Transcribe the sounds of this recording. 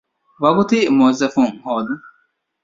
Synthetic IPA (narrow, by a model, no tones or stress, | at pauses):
wɐɡut̪imozɐfuŋhoːd̪u